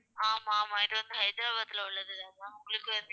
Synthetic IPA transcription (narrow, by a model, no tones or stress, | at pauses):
aːmaːmãːɪʈːɯʋɐnd̪ɐɦɐɪd̪ɾaːbat̪ːɪlɐʊɭːɐðɯɐðãːʊŋɡɐɭɯkʲːɯɐnd̪